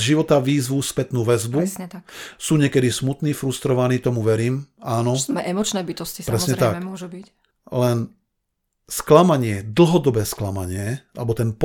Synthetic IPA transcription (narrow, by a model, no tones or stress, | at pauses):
ʒiʋɔt̪aʋiːzʋuspɛt̪nuːʋɛzbuɲsuːɲɪɛkɛd̪ismut̪niːfɾust̪ɾɔʋaniːt̪ɔmuʋɛɾiːmaːnɔɛɛmɔt͡ʃnɛːbit̪ɔscispɾɛsɲɛt̪akɔʒubi | lɛn | sklamaɲɪɛd̪l̩ˠɦɔd̪ɔbɛːsklama̰ɲɪɛʔalɛbɔt̪ɛnp